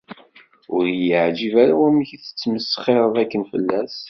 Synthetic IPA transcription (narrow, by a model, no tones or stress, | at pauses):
ʊɾjəʕd͡ʒivæɾawæmçiθə̥t͡sːməsːχeɾˤəðækːənfə̰lːæs